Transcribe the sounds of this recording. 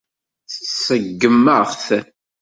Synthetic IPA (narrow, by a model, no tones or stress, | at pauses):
θt͡ssəɡːəmːəʁθ